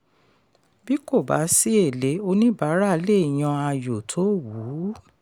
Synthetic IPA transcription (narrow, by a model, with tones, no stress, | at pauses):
bi˦ko˦˨ba̰˨˦si˦e˦˨le˨˦o˧nĩ˦ba˨˦ɾa˦˧˦le˦˨j̃ã˧a˧jo˨tʰo˦wu˨˦